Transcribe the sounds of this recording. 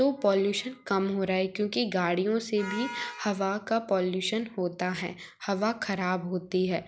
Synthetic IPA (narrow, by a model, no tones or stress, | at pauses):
t̪opɔːljuːʃənkɐmɦoːɾaːɛkjõːkiɡaːɽijõsebʱihɐʋakapɔːljuːʃənɦoːt̪aɦɛ̰ː | hɐʋaxʰɐɾaːbɦoːt̪iɦɛː